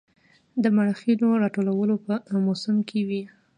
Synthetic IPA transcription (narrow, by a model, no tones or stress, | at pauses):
d̪əmaɽxiloɾɑʈolawəlopəmosəmkʰewi